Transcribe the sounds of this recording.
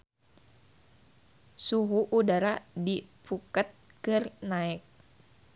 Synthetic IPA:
suɦuʔːdaɾadipʰukət̪̚ | kɨrnaɛk̚

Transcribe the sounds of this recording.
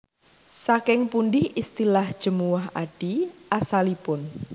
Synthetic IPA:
sakɪŋpunɖɪhist̪ilahd̥ʒ̥ə̤muwaɦa̰ɖ̥iʔasalipʊn

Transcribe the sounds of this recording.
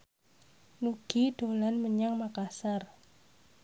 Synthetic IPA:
nuɡ̥iɖ̥olanməɲaŋmakasar

